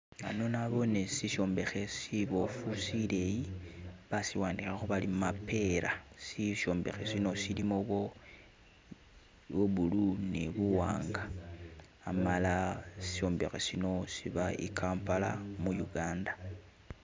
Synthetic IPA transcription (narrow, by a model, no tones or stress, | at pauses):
ano̞naβo̞nesiʃo̞ːmbe̞xe̞siβofusile̞jiβasiwaːndixaxuβalimmape̞ɾasiso̞ːmbe̞xe̞sino̞silimoβo̞ | βoβuluneβuwa̰ːŋɡaː | malasi̥ʃo̞ːmbe̞xesino̞siβaḭkʰaːmpala̰mujuɡaːnda